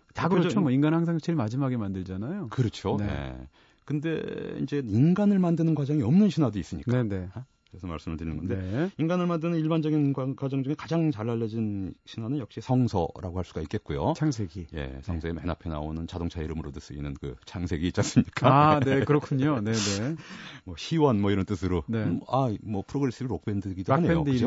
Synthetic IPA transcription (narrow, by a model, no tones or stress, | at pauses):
akɯt͡ɕomʌinɡanhaŋsʰaŋt͡ɕeɭimad͡ʑimaɡemandɯɭd͡ʑanajokɯɾʌt͡ɕʰonḛ | kɯnde̞̰ḭnd͡ʑe̞inɡanɯɭmandɯnɯnɡwad͡ʑʌŋiʌmnɯnɕʰinwadois͈ɯmɲikn͈aene̞ | esʰʌma̰ɭs͈ɯmɯɭtɯɾinɯnŋɡʌnde̞inɡanɯɭmandɯnɯniɭband͡ʑʌɡinɡakwad͡ʑʌŋd͡ʑuŋekad͡ʑaŋt͡ɕaɭːaʎːʌd͡ʑinɕʰinwanɯnjʌk̚ɕ͈isʰʌŋsʰʌ̰ɾa̰ɡohaɭs͈uɡaik͈e̞t̚k͈ujo̰t͡ɕʰaŋsʰeɡije̞̰sʰʌŋsʰeema̰napʰena̰onɯnt͡ɕadoŋt͡ɕʰaiɾɯmɯɾodɯs͈ɯḭnɯnkɯ̰t͡ɕʰaŋsʰe̞ɡiːt͡ɕ͈as͈ɯmɲik͈aanekɯɾʌkʰuɲone̞nemʌɕiwʌnmʌiɾʌnt͈ɯsʰɯɾoneamʌpʰɯɾoɡɯɾe̞s͈ɯɾiɾok̚pe̞ndɯɡidoanejo̰dɯ